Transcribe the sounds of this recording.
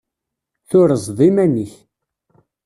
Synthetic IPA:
θʊɾəzˤðˤimæniç

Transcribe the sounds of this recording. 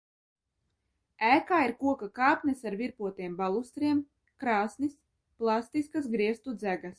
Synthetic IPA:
æːkaːiɾkuɔkakaːpʲnɛsaɾviɾpuɔt̪iɛmbalˠust̪ɾiɛm | kɾaːsnis | plˠast̪iskasɡɾiɛst̪ud̪zæɡas

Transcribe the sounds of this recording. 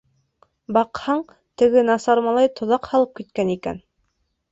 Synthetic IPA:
bɑqhɑɴ | t̪ɘ̆ɡɘnɑsɑɾmɑlˠɑjt̪ŏðɑqhɑlˠɤp̚kit̪̚kænikæ̰n

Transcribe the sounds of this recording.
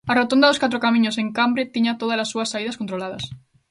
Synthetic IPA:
arot̪ond̪aðoskat̪ɾokamĩɲoseŋkambɾet̪iɲat̪oðalasːuasːaið̞askont̪ɾolaðas

